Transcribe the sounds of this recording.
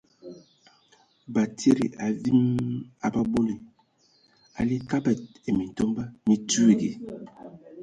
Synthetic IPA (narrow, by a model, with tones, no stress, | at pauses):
ba˨tʰi˦ɾḭ˨ʔa˨vi˦ma̰˨ba˦bo˦li˨ | a̰˨li˦ka˦bɛ˨t̚e˨mi˨tɔ˦mba˦mi˨tu˦i˨ɡḛ˨